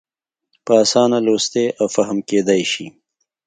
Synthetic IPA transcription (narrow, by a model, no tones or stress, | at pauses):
pəasɑːnalost̪eʔawfaɦəmked̪ajʃi